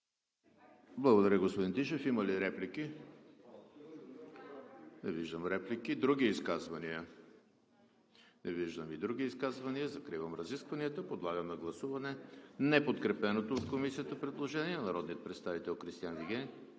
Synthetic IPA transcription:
blˠɐɡod̪ɐɾʲjəɡospod̪int̪iʃɛfiməliɾɛpliki | nɛ̰viʒd̪əmɾɛplikid̪ɾuɡ̟iiskazvɐniə | nɛviʒd̪əmid̪ɾuɡʲiːskazvɐniəzɐkɾivəmɾɐziskvɐniət̪əpod̪lˠaɡəmnɐɡlˠɐsuvɐnɛnɛpot̪kɾɛpɛnot̪oːt̪komisiət̪əpɾɛd̪lˠoʒɛniɛnɐɾɔd̪nijət̪pɾɛt̪st̪avit̪ɛlˠxɾist̪ijanviɡʲɛn

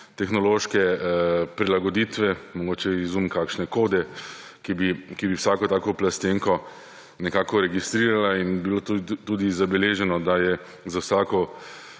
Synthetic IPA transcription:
t̪ɛxnɔloːʃkɛpɾilaɡɔd̪it̪ʋɛmɔɡoːt͡ʃɛizumkakʃnɛkoːd̪ɛ | kibikibiwsaːkɔt̪aːkɔplast̪eŋkɔ | nɛkaːkɔɾɛɡist̪ɾiːɾalainbilot̪uːd̪izabɛleːʒɛnɔd̪ajɛ | zawsaːkɔ

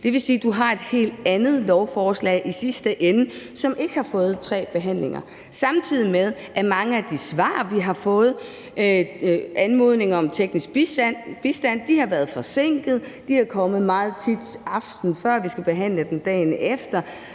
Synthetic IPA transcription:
d̥e̝ʋe̝siːd̥uɦɑ̈e̝d̥he̝̰ːld̥ænð̞̩ˠlɒʊfɒːslɛ̰ːʔisisd̥əʔenə | sɒ̽mʔe̝ɡ̥əhɑ̈fɔ̽ːð̩ˠt͡sʰʁɛ̰ːb̥e̝ɦæn̰le̝ŋɐ̰ | sɑ̈mt͡sʰið̰ˠimeð̞ˠ | ʔæmɑ̈ŋəæd̥isʋɑ̰̈ːʋiɦɑ̈fɔ̽ːð̩ˠ | ænmo̝ð̞ˠne̝ŋɐɒ̽mt͡sʰeɡ̥nisɡ̥b̥b̥isd̥æn̰d̥ihɑ̈ʋæːɐðˠfɒ̽se̝ŋ̰ɡ̥ð̩ˠd̥iækʰɒ̽məð̩ˠmɑ̈ːð̞̩ˠt͡sʰid̥sɑ̈fd̥n̩fɶɐ̰ʋisɡ̥æb̥e̝ɦæn̰ləd̥end̥ɛ̰ːnefd̥ɐ

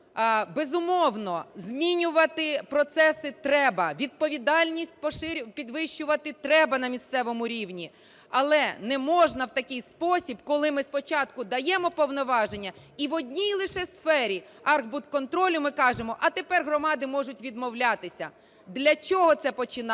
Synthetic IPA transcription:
bezʊmɔwnɔzmʲinʲʊʋɐt̪ɪpɾɔt̪sɛsɪt̪ɾɛbɐʋʲid̪̚pɔʋʲid̪ɑlʲnʲisʲt̚ʲpɔʃɪɾʲpʲid̪ʋɪʃt͡ʃʊʋɐt̪ɪt̪ɾɛbɐnɐmʲist̪sɛʋɔmʊɾʲiwnʲi | ɐlˠɛnɛmɔʒnɐwt̪ɐkʲɪjspɔsʲibkɔlˠɪmɪspɔt͡ʃɑt̪kʊd̪ɐjɛmɔpɔwnɔʋɑʒenʲːɐ | iʋɔdʲnʲijlˠɪʃɛsfɛɾʲi | ɑrɣbʊt̪kɔnt̪ɾɔlʲʊmɪkɑʒemɔʔɐt̪epɛrɦɾrɔmɑd̪ɪmɔʒʊtʲʋʲid̪mɔwlʲat̪ɪsʲɐ̰ | d̪lʲɐt͡ʃɔɦɔt̪sɛpɔt͡ʃɪn

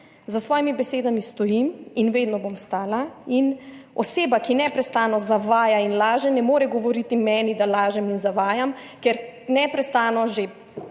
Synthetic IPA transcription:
zasʋɔːjimibɛseːd̪amist̪ɔjiminʋeːd̪nɔbomst̪aːlainɔseːbakinɛpɾɛst̪aːnɔzaʋaːjainlaːʒɛnɛmoːɾɛɡɔʋɔɾiːt̪imɛːnid̪alaːʒɛminzaʋaːjamkɛɾnɛpɾɛst̪aːnɔʒe

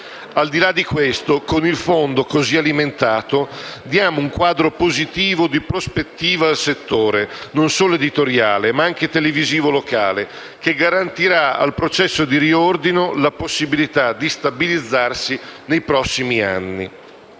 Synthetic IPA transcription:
ald̪ilad̪ːikwest̪okonilfond̪okozialiment̪aːt̪od̪jaːmouŋkwaːd̪ɾopozit̪iːvod̪ipɾospet̪ːiːvaalset̪ːoːɾenonsoːloed̪it̪oɾjaːlemaaŋk̟et̪eleviziːvolokaːle | keɡaɾant̪iɾaa̰lpɾot͡ʃɛsːod̪iɾiord̪inolaposːibilit̪ad̪ist̪abilid̪zːarsinejpɾɔsːimia̰nːḭ

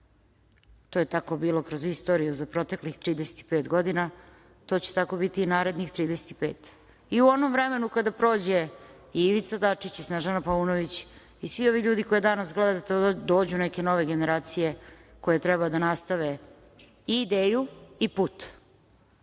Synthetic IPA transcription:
t̪ojet̪ako̞biːlˠo̞kɾo̞zist̪o̞ːɾijuzapɾo̞t̪e̞klixt̪ɾiːd̪ese̥t̪i̥pe̞ːt̪ɡo̞d̪ina | t̪o̞ːt͡ɕe̥t̪ako̞bit̪iːnaːɾe̞d̪nixt̪ɾiːd̪eset̪i̥peːt̪ | iuo̞nomʋɾeme̞nukad̪apɾo̞ːd͡ʑe̞ | iiʋit̪sad̪at͡ʂit͡ɕisnaʒanapauːnoʋit͡ɕ | isʋio̞ʋiʎuːd̪iko̞jed̪anasɡled̪ad̪at̪od̪o̞ːd͡ʑunɛke̞no̞ʋe̞ɡe̞ne̞ɾaːt̪sije̞ko̞jet̪ɾɛbad̪anast̪aʋe̞ | iːd̪eːjuipuːt̪

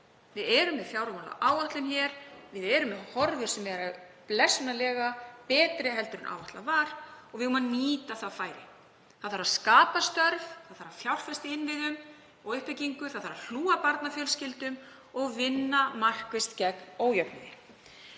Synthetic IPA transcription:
vɪðɛɾʏmvɪðfjawɾamɔna̰ʔaːwaht̪lʏmçɛɾvɪðɛɾʏmɪðhɔɾvʏɾ̥sɛmvɛɾa | plɛsnalɛːɣapɛːt̪ɾɪɦɛlt̪ʏɾɪnʔa̰ːwaht̪la̰vaɾɔɣvɪʏmːaniːt̪aθaðfaːjɾɪ̰ | θaðfaɾaðskaːpast̪œɾvθaðθfaɾaðfjawr̥fɛst̪ɪɪnvɪðʏm | ɔɣʏhpɪciŋkʏθaðfaɾaðl̥uːapaɾt̪nafjœlscɪlt̪ʏm | ɔɣvɪnːamar̥kvɪst̪cɛknoːwjœp̚nɪðɪ

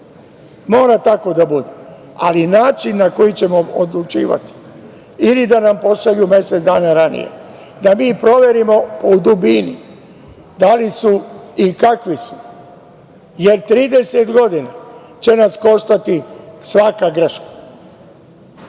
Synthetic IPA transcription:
mo̞ːɾat̪ako̞d̪abud̪e | a̰linaːt͡ʃinːako̞jit͡ɕe̞mo̞od̪lut͡ʃḭːʋa̰t̪i̥ | ilid̪anampo̞ʃaʎumje̞set̪d̪aːnaɾanḭjḛ | d̪amiːpɾo̞ʋe̞ɾimo̞poud̪ubini | d̪alisuikakʋisu̥ | jeɾt̪ɾiːd̪eset̪ɡo̞d̪ina | t͡ɕe̞nasko̞ʃt̪at̪isʋakaɡɾ̩ʃkḁ

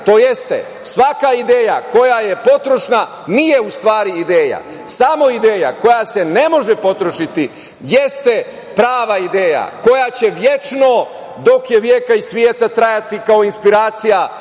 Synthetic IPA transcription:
t̪o̞ːjest̪ḛ | sʋakaid̪eːjako̞jaje̞po̞t̪ɾo̞ʃna | nijeust̪ʋaːɾiːd̪eːja̰ | samo̞id̪eːja̰ko̞jase̞ne̞mo̞ʒepo̞t̪ɾoʃit̪i | jest̪e | pɾaːʋaid̪eːja̰ko̞jat͡ɕe̞ʋje̞t͡ʃno̞ | d̪o̞kjeʋjeːkaisʋjeːt̪at̪ɾajat̪ikao̞inspiɾaːt̪sija

